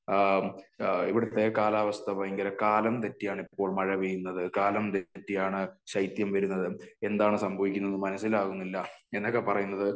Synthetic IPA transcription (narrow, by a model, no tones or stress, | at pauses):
iʋiɽut̪ːe̞kaːlaːʋɐst̪ʰɐpɐjiŋɡɐlɐkaːlɐmt̪etːijaːɳipːo̞ːɭmɐɻɐʋijunːɐðɨkaːlɐmt̪etːijaːɳɨɕɐjt̪jɐmʋɐɾunːɐðɨe̞nd̪aːɳɨsɐmbʱɐʋikʲːunːɐnːɨmɐnɐsːilaːɣunːilːɐe̞nːokːepɐrɐjunːɐðɨ